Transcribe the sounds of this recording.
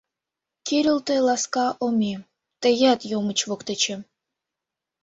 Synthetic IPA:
kiɾʲəlt̪elɑskɑʔomʲi | t̪əjæt̪jomət͡ɕβokt̪et͡ɕĕ

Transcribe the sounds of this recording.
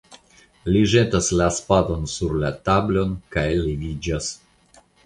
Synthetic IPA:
liʒe̞taslaspado̞nsuɾlatablo̞nkajlivid͡ʒas

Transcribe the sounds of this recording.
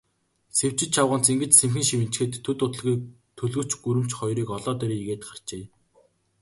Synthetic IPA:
sew̥t͡ɕɪ̆t͡ɕt͡ɕʰawʁə̆n̥t͡siŋɡɘ̆t͡ɕsemxɘ̆ŋʃiwɘ̆n̥t͡ɕxeːt̪ʰːɵt̪ʊt̪ə̆ɮɣiːk̚ | t̪ʰːɵɮɣɵ̆t͡ɕɡuɾɘ̆m̥t͡ɕχɔjɾiːkɔɮɔːt̪eɾiːɣeːt̪ɢar̥t͡ɕeː

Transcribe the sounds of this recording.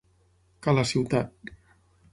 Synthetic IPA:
kalasiwt̪at̪̚

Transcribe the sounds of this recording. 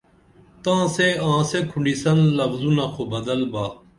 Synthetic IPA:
t̪ãːseãːsekʰʊ̃ɳɖisɐnlɐfzũnaːkʰobɐd̪əlbaː

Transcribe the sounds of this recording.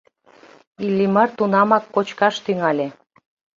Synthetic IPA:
ilːimərt̪unɑmɑkːot͡ɕkɑʃt̪yŋɑlʲe

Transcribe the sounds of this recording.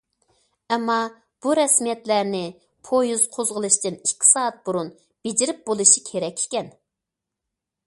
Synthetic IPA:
ɛmːɑ | b̥uɾɛsmijɛt̪læɾnɪ | pʰojuz̥qʰozʁəlˠɨʃt̪ɨnikʲʰːi̥sɑːɑt̪̚buɾun | b̥ed͡ʒɪɾɪp̚bolˠɨʃikʲʰeɾɛkʲi̥kʲɛn

